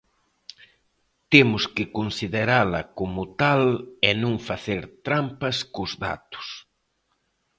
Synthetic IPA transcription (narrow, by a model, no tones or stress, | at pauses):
t̪emʊskɪkonsiðeɾalɐkomʊt̪alɛnũŋfaθeɾt̪ɾampɐskʊzða̰t̪ʊ̥s